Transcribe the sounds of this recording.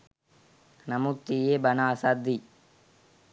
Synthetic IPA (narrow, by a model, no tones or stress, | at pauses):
nɐmut̪ːijeːbɐnaːsad̪ːi